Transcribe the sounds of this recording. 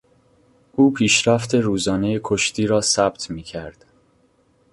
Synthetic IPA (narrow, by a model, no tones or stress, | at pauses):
ʔuːpʰiːʃɾæft̪ʰe̞ɾuːzɒːne̞jekʰoʃt̪ʰiːɾɒːsæb̚t̪ʰmiːcʰæɾd̪̥